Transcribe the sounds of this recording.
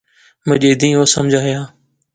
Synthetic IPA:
məʄeːd̪ĩːɦoːsə̰md͡ʒʱaːɦɪjaː

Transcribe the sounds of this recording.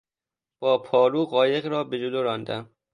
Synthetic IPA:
b̥ɒːpʰɒːɾuːɢɒːje̞ɣɾɒːbe̞d͡ʒoloɾɒːnd̪æm

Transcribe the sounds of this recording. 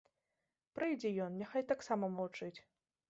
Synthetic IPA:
pɾɨjd͡zʲɛjɔnnʲaxajt̪aksamɐmɐlˠt͡ʂɨt͡sʲ

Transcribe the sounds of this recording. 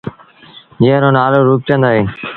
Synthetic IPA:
d͡ʒeːɾõːnaːloːɾuːp̚t͡ʃə̃nd̪aːɦeːn

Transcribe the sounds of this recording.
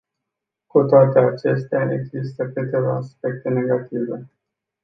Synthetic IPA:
kut̪oat̪e̞at͡ʃe̞st̪eaḛɡzist̪əkɨt̪e̞va̰ːspe̞k̚t̪e̞ne̞ɡat̪ive̞

